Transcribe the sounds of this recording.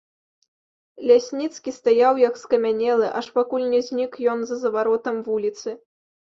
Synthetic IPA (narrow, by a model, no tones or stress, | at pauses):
lʲasʲnʲit̪skʲist̪ajawjɐkskɐmʲanʲɛlˠɨʔaʂpakulʲnʲɛzʲnʲikjɔnzɐzɐvaɾɔt̪ɐmvulʲit̪sɨ